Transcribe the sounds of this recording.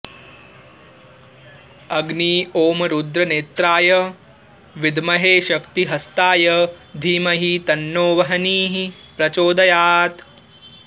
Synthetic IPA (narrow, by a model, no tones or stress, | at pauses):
ɐɡniːoːmɐɾud̪ɾɐneːt̪ɾaːjɐ | ʋid̪ʱmɐɦeːʃɐkt̪iɦɐst̪aːjɐd̪ʱiːmɐɦit̪ɐnːoːʋɐɦɐniːɦi | pɾɐt͡ʃoːd̪ɐjaːt̪